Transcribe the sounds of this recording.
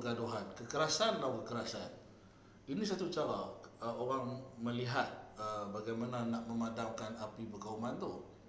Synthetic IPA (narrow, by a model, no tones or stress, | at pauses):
ɡadoɦankəkəɾasanlawkəkəɾasan | inis̬at̪ut͡ʃawaəoɾaŋməliɦat̪̚əbaɡajmananaʔməmadamkanapibəɡaumant̪uh